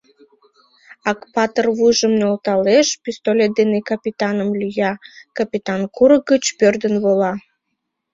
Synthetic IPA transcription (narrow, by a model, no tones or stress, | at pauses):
ɑkpɑt̪ərvuʒəmnolˠt̪ɑleʃpʲist̪olʲed̪ɨnekɐpʲit̪ɑnə̆mlʲyjɑkɐpʲit̪ɑnkuɾəɡət͡ɕpørd̪ənβolɑ